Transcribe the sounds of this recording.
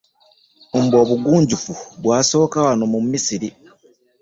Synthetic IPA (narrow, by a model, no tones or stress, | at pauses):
mbo̞ːβuɡuːɲɟufuβwaːso̞ːkawano̞mumisiɾi